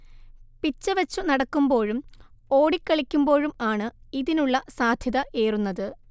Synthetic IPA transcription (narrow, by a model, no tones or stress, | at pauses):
pit͡ɕːɐʋɐt͡ɕːunɐɽɐkːumbo̞ːɻum | o̞ːɽikʲːɐɭikʲːumbo̞ːɻumaːɳɨiðinuɭːɐsaːd̪ʱjɐðɐʔeːrunːɐðɨ